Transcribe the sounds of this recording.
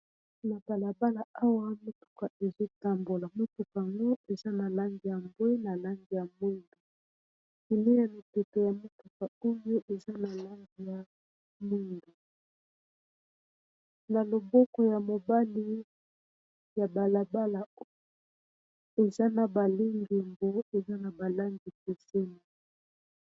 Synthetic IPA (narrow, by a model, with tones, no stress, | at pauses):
na˨ba˨la˨ba˦la˨a˦wa˦mo˦tu̥˨ka˨e˨za˦ta˦mbu˨la˨mo˦tu˨ka˨ŋɡo˦e˨za˦na˨la˦ŋɡi˨ja˨mbwi˦na˨la˦ŋɡi˨ja˨mu˦ndu˨ | i˨ne˦ja˨ni˨te˨to˨ja˨mo˦tu˨ka˨o˦jo˦ʔe˨za˦na˨la˦ŋɡi˨ja˨ | mu˦ndu˨ | na˨lo˨bɔ˦kɔ˨ja˨mo˨ba˦li˦ | ja˨ba˨la˨ba˦la˨o˦ | e˨za˦na˨ba˨li˦ŋɡi˨mbo˦e˨za˦na˨ba˨la˦ŋɡi˨ke˨se˦ni˨